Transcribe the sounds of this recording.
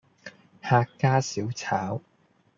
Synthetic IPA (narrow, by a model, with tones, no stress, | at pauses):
haː˧kːaː˥si˨˥wt͡sʰaː˨˥w